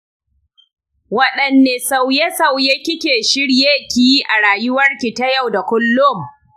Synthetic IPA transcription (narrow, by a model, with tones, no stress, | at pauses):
wɐ˦ɗɐ˨nːeː˨sa˦˨wje˦sa˨wjeː˦kʲɪ˦kʲeː˨ʃɪ˦ɽjeː˦kʲɪ˨ji˦ʔa˨ɾaː˨jʊ˦wɐ˦rkʲi˨ta˦ja˦˨wda˨kʷʊ˦lːʊ˦˨m